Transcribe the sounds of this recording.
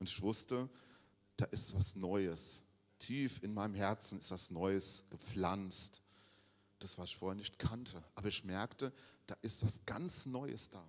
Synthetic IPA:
ʔʊntɪçv̥ʊstə | d̥aːʔɪstv̥asnɔʏəs | tʰiːfɪnmaɪnəmɦɛɐt͡sn̩ɪstv̥asnɔʏəsɡ̥əp͡flant͡st | d̥asv̥aːlɪçfoːɐhɛɐnɪçtkʰantʰəʔaːbɐɪçmɛɐktəd̥aːʔɪstv̥asɡ̥ant͡snɔʏə̰sd̥aː

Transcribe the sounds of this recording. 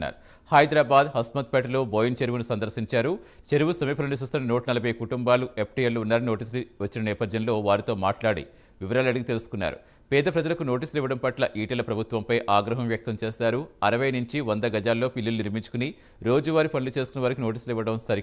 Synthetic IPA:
a̰ːɾu | hɐjd̪ɾaːbaːd̪hɐsmɐt̪̚pɛʈɐloːbojint͡ʃeɾuʋunusɐnd̪ɐɾsiɲt͡ʃaːɾu | t͡ʃe̞ɾuʋusɐmiːpʰɐlɐnit͡ʃuːst̪unːɐnoːʈɐnɐlɐbʱɐjkuʈumbaːluepʰʈijɐlːuːnːaːɾino̞ːʈiːs̬liʋɐt͡ʃːinɐnɛːpɐd̪ʱjɐnlo̞ːʋaːɾit̪o̞ːmaːʈlaːɽḭ | ʋiʋɐɾaːlɐɽiɡit̪e̞lusu̥kunːa̰ːɾṵ | pɛːd̪ɐpɾɐd͡ʒɐlɐkuno̞ːʈ̬iːsuliʋːɐɽɐmpɐʈlɐʔiːʈilɐpɾɐbʱut̪ʋɐmpɐjʔaːɡɾɐɦɐmʋjɐk̚t̪ɐmt͡ʃeːsaːɾuɐɾɐʋɐjɐnuɲt͡ʃiʋɐnd̪ɐɡɐd͡ʒaːlːo̞ːpilːiluniɾmiɲt͡ʃu̥kuni | ɾo̞ːd͡ʒuʋaːɾipɐnilut͡ʃeːsu̥kunːɐʋaːɾɐkino̞ːʈ̬iːsuliʋːɐɽɐmsɐɾi

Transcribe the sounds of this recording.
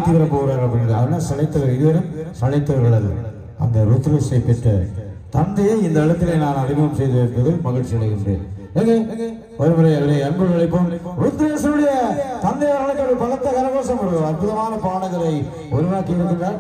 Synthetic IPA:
t̪ːɯʋɐɾɐpoːɣɾaːɾɐpɐɽɪnɡɾɐðɐðɐnːasɐlɐɪt̪ːɐʋɐʋɪɣɯʋɐɾɯmsɐlɐɪt̪ːɐʋɐɾɣɐɭɐðɯ̰ | ɐ̰nd̪ɐɾut̪ːɾeːsɐɪpːɛʈːɯt̪ɐnd̪ɐjeɪnd̪ɐɪɻɐt̪ːɪleːnaːnɐðɪɣɐmsɛjðɯɪɾɯnb̪ɐðɯmɐɣɐɻʈʂɪɐɽɐɣːɯɳɖḛːn | eːŋɡeː | ɔɾɯmɐɾɐjɐleɐnbɐlɐɭɐɪpːomɾʊt̪ːɪɾeːsɐnɯɽɐjɐt̪ɐnd̪ɐjɐɐɭɐkːɐbɐɣɐt̪ːɐkɐɾɐɣoːsɐmɐɾɯɐɐrpʊðɐmaːnɐpaːɳɐɣɐɾɐɪ | ʊɾɯʋaːkːiɪɾɯnd̪ɯnɽaː

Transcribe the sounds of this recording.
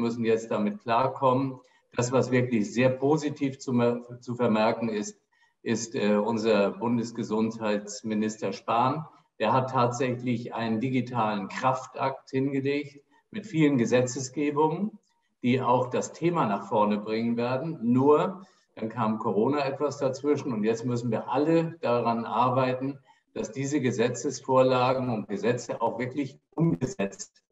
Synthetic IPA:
mʏsn̩jɛt͡st̚d̥amɪt̚kl̥aːɐkʰɔmən | d̥asv̥asv̥ɪɐklɪçz̥eːɐpʰoːzitʰiːft͡sut͡sufɛɐmɛɐkn̩ɪst | ʔɪstɛːʔʊnzɐbʊndəsɡ̥əzʊnthaɪtt͡smɪnɪstɐʃpaːn | d̥eːɐɦatʰːaːtz̥ɛçlɪçʔa̰ɪnəndiɡitʰaːlənkʁ̥aftʔak̚thɪnɡəleːçt | mɪtfiːlənɡəzɛt͡səsɡ̥eːbʊŋən | d̥iːa̰ʊxd̥astʰeːmanaχfɔɐnəbʁɪŋənveːɐdn̩nuːɐ | d̥ankʰaːmkʰoʁ̞oːnaɛtv̥asd̥at͡sv̥ɪʃn̩ʊntjɛt͡stmʏsn̩viːɐʔaləd̥aʁanʔaɐbaɪtn̩ | d̥asd̥iːzəɡəzɛt͡səsfoːɐlaːɡŋ̩ʊnt̚ɡ̥əzɛt͡səʔa̰ʊxv̥ɪɐklɪçʔʊmɡəzɛt͡st

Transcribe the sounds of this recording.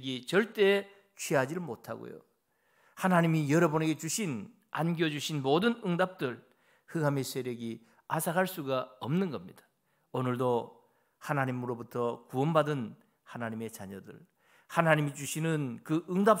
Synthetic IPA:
ɡit͡ɕʌɭt͈e̞ | t͡ɕʰiɦad͡ʑiɭmotʰa̰ɡo̰jo̰ | hanaɲimijʌɾʌbune̞ɡe̞t͡ɕuɕʰin | anɡjod͡ʑuɕʰinmodɯnɯŋdap̚t͈ɯɭ | hɯɡamesʰeɾjʌɡi | asʰaɦaɭs͈uɡaʌmnɯnɡʌmɲḭd̥ḁ | onɯɭdo | hanaɲimɯɾobutʰʌkuʌnbadɯn | hanaɲime̞t͡ɕaɲʌdɯ̰ɭ | hanaɲimid͡ʑuɕʰinɯnkɯɯŋdap̚

